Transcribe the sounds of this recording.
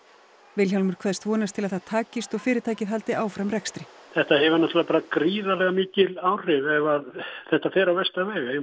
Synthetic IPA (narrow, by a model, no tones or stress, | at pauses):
vɪlçawlmʏɾ̥kʰvɛðst̪vɔːnast̪ʰɪlaðθaðt̪ʰaːcɪst̪ɔɣfɪːɾɪt̪aːjcɪðɦalt̪ɪʔaːwfɾamrɛkst̪ɾɪ | θɛht̪ahɛvanaht̪ɾlapaːɾakɾiːðalɛɣamɪːcɪlaːwr̥ɪvɛvaθɛht̪afɛːɾawvɛst̪avɛːɣa